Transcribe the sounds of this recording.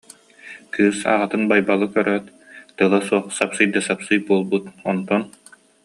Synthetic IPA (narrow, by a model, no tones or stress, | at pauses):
kɯːsa̰ʁat̪ɯnbajbalˠɯkœɾœːt̪ | t̪ɯlˠasuɔχsapsɯjd̪asapsɯjbuɔlˠbut̪ɔnt̪ɔn